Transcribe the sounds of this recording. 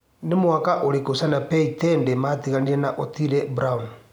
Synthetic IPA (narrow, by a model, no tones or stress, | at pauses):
nemwakaʔoɾekosanapɛitɛndematiɣaniɾɛnaʔotiɾɛbɾaun